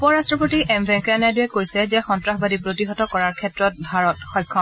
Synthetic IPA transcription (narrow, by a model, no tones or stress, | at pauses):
upɔɹastɹɔpotiʔɛmbʱɛ̃ŋkɔjanajduɛkojsɛzɛxɔntɹaxbadipɹotiɦɔtɔkɔɹaɹkʰɛtɹɔt̚bʱaɹɔtxɔjkʰːɔ